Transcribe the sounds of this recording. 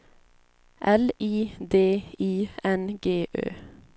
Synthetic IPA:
ʔɛliːd̪eːiːɛnɡeːʔø̰ː

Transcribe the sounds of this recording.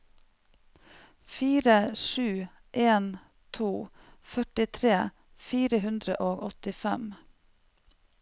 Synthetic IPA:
fiːɾəʃʉː | ʔeːn | t̪ʰuː | fœʈɪt̪ʰɾeː | fiːɾəhʉnd̪ɾəʔoːɡɔt̪ɪfɛm

